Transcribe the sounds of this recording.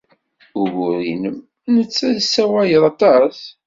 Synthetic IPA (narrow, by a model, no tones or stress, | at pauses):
ʊɣʊɾinəm | nət͡sːæðsːæwæjəðˤɑt̪ˤɑs